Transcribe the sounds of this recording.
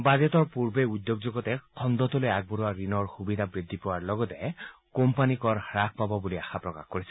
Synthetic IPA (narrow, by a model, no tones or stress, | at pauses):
badɔt̪ɔɹpuɹbeud̪ːjoɡd͡ʒoɡɔt̪ɛkʰɔnd̪ɔt̪ɔlojaɡ̚bɔɾuwaɹinɔɹxubid̪ʱabɹid̪ʱːipɔwaɹlɔɡɔt̪ɛ | kompanikɔɹhɹak̚ʰpabɔbuliaxapɹɔka̰xkoɹisɛ